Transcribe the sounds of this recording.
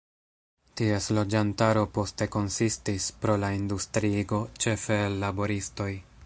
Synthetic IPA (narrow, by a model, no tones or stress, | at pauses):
tie̞slo̞d͡ʒantaɾo̞po̞ste̞ko̞nsistispɾo̞laindustɾiɡo̞t͡ʃe̞fe̞ːlːabo̞ɾisto̞j